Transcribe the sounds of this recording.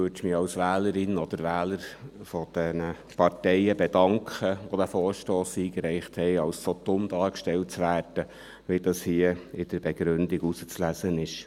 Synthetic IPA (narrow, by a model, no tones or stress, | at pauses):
øtʃmɪɑlsʋæːləɾɪnɔd̥̪əɾʋæːləɾfɔd̥ɛnə | pɑrtɛɪəbɛdɑŋkχəʋod̥̪æfɔːɾʃtoːsiːkɾɛɪχthɛɪɑlssotʊmdɑːkʃtɛlt̚t͡sʋæːɾd̥ə | ʋid̥ɑshiəɪd̥əɾbɛɡ̥ɾʉndɪɡusət͡slæsənɪʃ